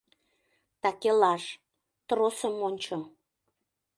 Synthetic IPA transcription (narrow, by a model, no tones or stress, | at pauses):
t̪ɑkelɑʃ | t̪rosəmonʲt͡ɕo